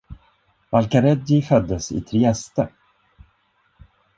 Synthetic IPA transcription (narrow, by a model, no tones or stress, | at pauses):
valkaɾɛd̪ɪfœd̪ːəsɪ̰t̪ʰɾɪɛst̪ə